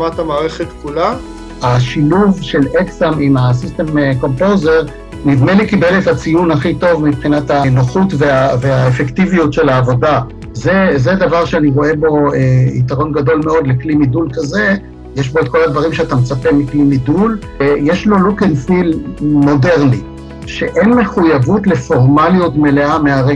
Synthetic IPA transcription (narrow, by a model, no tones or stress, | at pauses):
mat̪hamaːʁeχet̪kula | aʃiluvʃe̞leksamimasist̪e̞mko̞mpoze̞ʁ | nidmelikibeletat͡sijunaχito̞vmipχinatanoχutveaveaefektivijutʃe̞laːvo̞da | zezed̪avaʁʃeaniʁo̞e̞bo̞eḭtaʁo̞nɡado̞lmeo̞d̪leklimidulkaze̞ | jeʃbo̞et̚ko̞lhad̪vaʁ̞imʃeatamet͡sape̞miklimidul | jeʃlo̞lukenfilmo̞de̞ʁni | ʃe̞ʔenme̞χujavutle̞fo̞ʁmaljutme̞le̞ameaʁe